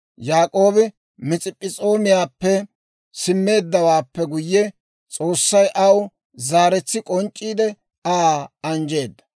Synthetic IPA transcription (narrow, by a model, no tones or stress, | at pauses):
jaːkʼo̞ːbɪ | mɪt͡sʼɪpʼːɪt͡sʼo̞ːmɪjaːpːɛ | sɪmːe̞ːd̪ːɐwaːpːɛɡʊjːɛ | t͡sʼo̞ːsːɐjʔɐw | zaːɾɛt͡sːɪkʼɔnt͡ʃʼːiːd̪ɛ | aɐnd͡ʒe̞ːd̪ːɐ̥